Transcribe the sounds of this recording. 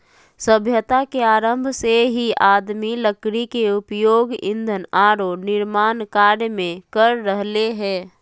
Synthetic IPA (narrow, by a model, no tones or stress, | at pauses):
səbʱjət̪akeaːɾəmbʱseɦiaːd̪miləkɾikeʊpjoːɡɪ̰̃nd̪ʱənaːɾonɪɾmaːnkaːɾjmẽkəɾːəɦleɦɛː